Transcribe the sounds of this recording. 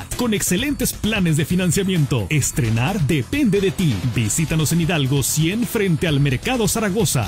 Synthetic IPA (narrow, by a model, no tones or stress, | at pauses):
ko̞ne̞kse̞le̞nt̪e̞splane̞zðe̞finãnsjamjẽ̞nt̪o̞̰e̞st̪ɾe̞̰naɾðe̞pe̞nd̪e̞ðe̞t̪ibisit̪ano̞seniðalɣo̞sje̞nfɾe̞nt̪e̞alme̞ɾkaðosaɾaɣ̞o̞sa̰